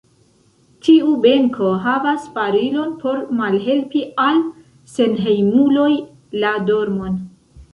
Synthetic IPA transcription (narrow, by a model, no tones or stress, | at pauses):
tʰiube̞ŋkʰo̞ɦavaspaɾilo̞npo̞ɾmalɦe̞lpial | se̞nɦe̞jmulo̞j | lado̞ɾmo̞n